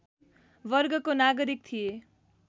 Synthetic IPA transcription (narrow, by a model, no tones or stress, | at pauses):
bʌrɡʌkonaɡʌɾik̚t̪ʰije